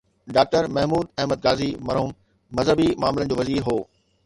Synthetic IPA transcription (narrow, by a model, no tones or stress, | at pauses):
ɖaːk̚ʈəɾmɐɦmuːd̪ɛɦməd̪̚ɡaːzimɐɾɦuːmː | ɐzɦəbimaːmɪlənd͡ʑoːʋɐziːɾɦoː